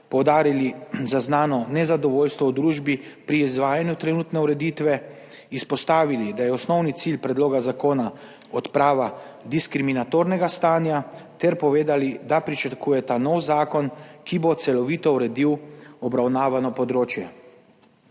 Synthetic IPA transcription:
pɔwd̪aːɾilizaznaːnɔnɛzad̪ɔʋoːlst̪ʋɔwd̪ɾuːʒbipɾiːzʋaːjanjut̪ɾɛnuːt̪nɛuɾɛd̪iːt̪ʋɛ | ispɔst̪aːʋilid̪ajɛɔsnɔwnit̪silpɾɛd̪loːɡazakoːna | ɔt̪pɾaːʋa | d̪iskɾiminat̪oːɾnɛɡast̪aːnjat̪ɛɾpɔʋeːd̪alid̪apɾit͡ʃatkuːjɛt̪anɔwzaːkɔnkibot̪sɛlɔʋiːt̪ɔuɾɛd̪iwɔbɾawnaːʋanɔpɔd̪ɾoːt͡ʃjɛ

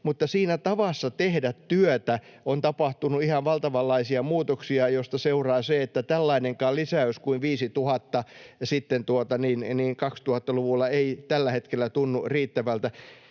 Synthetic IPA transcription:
mut̪ːɑsiːnæt̪ɑʋɑsːɑt̪ehdæt̪tyøt̪æont̪ɑpɑht̪unuihɑʋʋɑlt̪ɑʋɑlːɑisiɑmuːt̪oksiɑjost̪ɑseurɑːseet̪ːæt̪ælːɑineŋkɑːlisæøskuiʋʋiːsit̪uhɑt̪ːɑsit̪ːent̪uot̪ɑniːnniːŋkɑkst̪uhɑt̪ːɑluʋulːɑeit̪ælːæhet̪kelːˑæt̪unːuriːt̪ːæʋælt̪æ

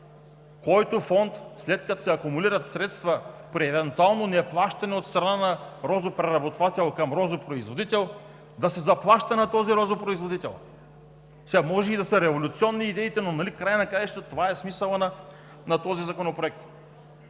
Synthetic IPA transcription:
kɔjt̪ofɔnt̪slɛt̪kɐt̪o̥sɛɐkumuliɾɐt̪sɾɛt̪st̪vɐpɾiɛvɛnt̪ualˠnonɛplˠaʃt̪ɐnɛot̪st̪ɾɐnanɐɾɔzopɾɛɾɐbot̪vat̪ɛlˠkɐmɾɔzopɾoizvod̪it̪ɛlˠ | d̪ɐsɛzɐplˠaʃt̪ɐnɐt̪ɔziɾɔzopɾoizvod̪it̪ɛ̰lˠ | sɛamɔʒɛid̪ɐsəɾɛvolʲut̪siɔnːiːd̪ɛit̪ɛnonɐlikɾajənɐkɾajʃt̪t̪t̪ovaɛsmisəlˠənɐ | nɐt̪ɔzizɐkonopɾoɛkt̪

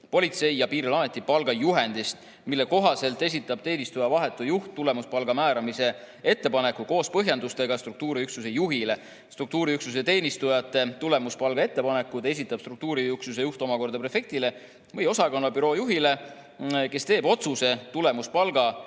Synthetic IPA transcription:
po̞lʲit̪se̞jjɑpiːɾilɑːme̞t̪ːˑipɑlɡ̥ɑjuɦe̞nd̪̥ist̪ | milːe̞ko̞ɦɑse̞lt̪ˑe̞s̬ʲit̪ːˑɑb̥t̪e̞ːnist̪ujɑvɑɦe̞t̪ːˑujuht̪ːule̞muspɑlɡɑmæːɾɑmise̞ | e̞t̪ːe̞pɑne̞kuko̞ːspɤɦjɑnd̪ust̪e̞ɡɑst̪ruk̚t̪uːɾiyksus̬ejuɦile̞ | st̪ruk̚t̪uːɾiyksus̬et̪e̞ːnist̪ujɑt̪ːˑe̞t̪ule̞muspɑlɡ̥ɑe̞t̪ːe̞pɑne̞kːˑut̪e̞s̬ʲit̪ːˑɑb̥st̪ruk̚t̪uːɾiyksus̬e̞juht̪o̞mɑko̞rd̪ɑpre̞fe̞k̚t̪ile̞ | vɤjo̞sɑkonvɑbyɾo̞ːjuɦile̞ | ke̞st̪e̞ːbo̞t̪suse̞t̪ule̞muspɑlɡ̥ɑ

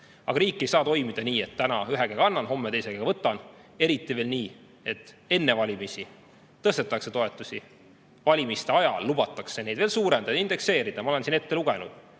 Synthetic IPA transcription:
ɑ̰ɡ̥ɑɾiːkˑːe̞jsɑːt̪o̞jmid̪̥ɑniːe̞t̪ːt̪ːænɑyɦeɡeɡɑɑnːɑnɦo̞mːet̪e̞jseɡɑɡ̥ɑvɤt̪ːˑɑne̞ɾit̪ːˑive̞ːlniː | e̞t̪ːˑe̞nːe̞vɑlʲimisʲi | t̪ːɤst̪e̞t̪ːˑɑkse̞t̪o̞e̞t̪ːˑusʲi | vɑlʲimist̪e̞ɑjɑlːub̥ɑt̪ːˑɑkse̞ne̞jd̪ve̞ːlsuːɾend̪̥ɑjɑind̪ekse̞ːɾid̪̥ɑmɑole̞nsine̞t̪ːe̞luɡ̥e̞nṵd̪̥

